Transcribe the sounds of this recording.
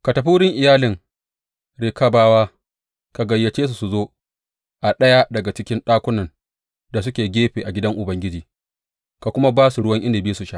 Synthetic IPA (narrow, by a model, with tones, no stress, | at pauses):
ka˨tɐ˨ɸuː˦ɽɪ˦ŋʔɪ˨jaː˦lɪ˨ŋ | ɽe˨ka˦baː˦waː˦ | ka˨ɡɐ˨jːɐ˨t͡ʃeː˦s̬u˨su˨zoː˦ | ʔa˨ɗɐ˦ja˦dɐ˨ɡa˨t͡ʃɪ˦kʲɪ˦nɗaː˦kʷʊ˦nɐ˨n | da˨s̬ʊ˦kʲeː˨ɡʲeː˦ɸeː˨ʔa˨ɡʲɪ˦dɐ˦ŋʔʊ˨bɐ˦ŋɡʲɪ˦d͡ʒiː˨ | ka˨kʷʊ˦ma˦baː˦su˨ɽʊ˦wɐ˦ŋʔɪ˦nde˨biː˦su˨ʃa˦ʔ